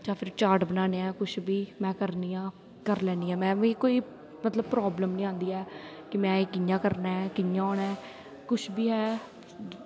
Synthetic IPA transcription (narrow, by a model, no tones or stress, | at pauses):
d͡ʒãːpʰɪɾt͡ʃaːɾʈbənaːneːɛ̃ːkʊt͡ʃʰbiːmɛ̃ːkəɾniːãː | kəɾlɛːniːɛːmɛ̃ːʋĩːkoːiː | mət̪ləb̚pɾɔːbləmnĩːãːnd̪iːɛː | kɪmɛ̃ːeːkɪjãːkəɾnaːɛːkɪjãːɔːnɛː | kʊt͡ʃʰbiːɦɛː